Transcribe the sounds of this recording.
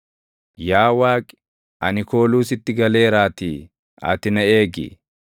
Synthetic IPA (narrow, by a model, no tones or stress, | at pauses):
jaːwaːkʼɪ̥ | ʔɐnɪko̞ːluːsɪt̪ːɪɡɐle̞ːɾaːt̪iː | ɐ̰t̪ɪnɐe̞ːɡɪ̰